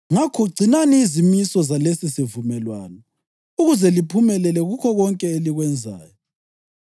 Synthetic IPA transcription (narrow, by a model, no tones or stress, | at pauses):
ŋakʰɔɡ͡ǀʱinaniːzimisɔzalesisivumɛlwaːnɔ | uɣuzɛlipʰumɛlɛlɛɣukʰɔɣɔŋkʼɛeliɣwɛnd͡zʱa̰ːjɔ